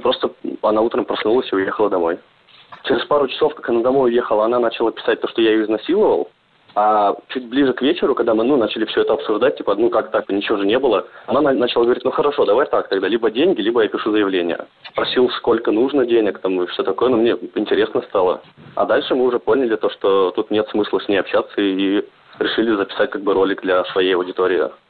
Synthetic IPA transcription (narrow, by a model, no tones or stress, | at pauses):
pɾo̞st̪əɐnaut̪ɾəmpɾɐsnulˠəsʲiʊjexəlˠəd̪ɐmo̞j | t͡ɕɪɾʲɪspaɾʊt͡ɕɪ̥sofkakɐnad̪ɐmo̞jʊje̞xəlˠəɐnanat͡ɕɪlˠəpʲɪ̥sat̚ʲt̪o̞ʂt̪ojaɪjoɪznɐsʲilˠəvə̰lˠ | at͡ɕut̚ʲblʲiʐɨkvʲet͡ɕɪɾʊkɐɡ̚d̪amɨnunat͡ɕɪlʲɪfsʲɵɛt̪əɐpsʊʐd̪at̚ʲtʲipənukakt̪akɨnʲɪt͡ɕɪvoʐɨnʲebɨlˠəɐnannat͡ɕɪlˠaɡəvɐɾʲitʲnuxəɾɐʂo̞d̪ɐvaɾʲt̪ak̚t̪ɐɡd̪alʲibədʲenʲɡʲɪlʲibəjapʲɪʂuzəjɪvlʲenʲɪ̰jə̰spɾɐsʲilˠsko̞lʲkənuʐnədʲenʲɪkt̪amɨfsʲɵt̪ɐko̞jənomnʲeɪnʲtʲɪɾʲe̞snəst̪alˠə̰ɐ̰d̪alʲʂɨmɨʊʐɛpo̞nʲɪlʲɪt̪o̞ʂt̪ot̪ut̪nʲe̞t̪smɨslˠəsʲnʲejɐpɕat̪səi | ɾʲɪʂɨlʲɪzəpʲɪ̥sat̚ʲkaɡ̚bɨɾo̞lʲɪkd̪lʲɐsvɐjejɐwdʲɪt̪oɾʲɪɪ̰